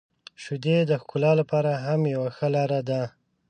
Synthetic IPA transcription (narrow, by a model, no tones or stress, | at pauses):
ʃud̪ed̪əxkʊlɑlapɑɾaɦamjawaxəlɑɾad̪a